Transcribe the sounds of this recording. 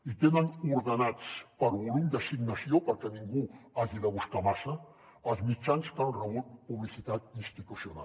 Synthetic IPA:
it̪enənuɾðənat͡spəɾβulumd̪əsiɡnəsiopəɾkɛniŋɡuaʒiðəβ̞uskamasə | əlˠzmit͡ʃanskəlrəupuβlisit̪at̪̚inst̪it̪usiuna̰l

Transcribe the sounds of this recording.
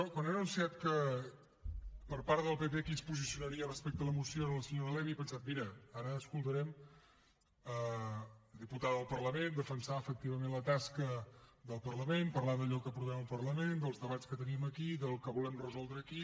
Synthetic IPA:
ɔkwanenunsiat̪kə | pəɾpaɾðəlˠpepekinspuzisiunəɾiərəspɛk̚t̪əðələmusioðələsəɲoɾəlɛβipənsat̪̚miɾəaɾəːskulˠt̪əɾɛm | ə | d̪iput̪aðəðəlˠpərləmend̪əfənsaəfək̚t̪iβ̞əmẽnlət̪askəðəlˠpərləmempəɾlaðəʎɔkəpɾuβɛməlˠpəɾləmend̪əlˠzðəβat͡skət̪əniməkiðəlˠkəβulɛmrəzɔlˠd̪ɾəːki

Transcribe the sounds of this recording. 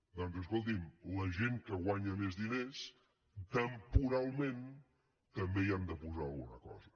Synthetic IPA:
d̪ɔnzəs̬kulˠt̪̬imləʒeŋkəɣwaɲəmezðines | t̪əmpuɾalˠmẽn | t̪əmbeiand̪əpuzaə̰lˠɣunəkɔ̰zə

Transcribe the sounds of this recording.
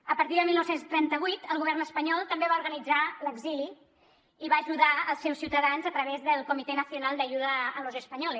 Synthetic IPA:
əpəɾt̪iðəmilˠnowsenst̪ɾɛnt̪əβ̞ujt̪əlˠɣuβɛrnəspəɲɔlˠt̪əmbeβauɾɣənid͡zaləɡzili | iβaːʒuðaəlˠsɛwsiwt̪əðanzət̪ɾəβezðəlˠkumit̪enəsiunalˠd̪əʒuðəːlozəspəɲɔl

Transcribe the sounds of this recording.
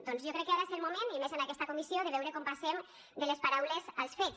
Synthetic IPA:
d̪ɔnzjokɾɛkːeaɣaselmumenimezənakɛst̪ɐkumisijoðəβɛwɾekompasem | d̪əlespaɾawlezalˠsfe

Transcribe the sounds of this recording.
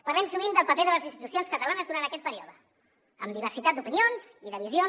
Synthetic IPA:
pərlɛmsumimd̪əlˠpəpeðələzinst̪it̪usijonskət̪əlanəzðuɾant̪əkɛt̪̚pəɾioðə | ə̰md̪iβəɾsit̪at̪̚d̪upinionziðəβ̞izio

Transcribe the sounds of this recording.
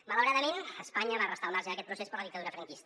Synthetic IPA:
mələwɾaðəmenəspaɲəβarəst̪əwnaʒaːkɛt̪pɾusespəɾləðik̚t̪əðuɾəfɾəŋkist̪ə

